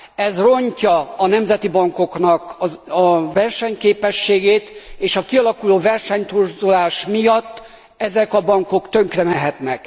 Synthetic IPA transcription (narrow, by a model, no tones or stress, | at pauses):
ɛzro̞ɲcɒːnɛmzɛt̪ibɒŋko̞knɒkɒvɛrʃɛɲkeːpɛʃːeːɡeːt̪eːʃɒkiɒlɒkuloːvɛrʃɛɲt̪urzulaːʃmijɒt̪ː | ɛzɛkɒbɒŋko̞kt̪ø̞ŋkrɛmɛɦɛt̪nɛk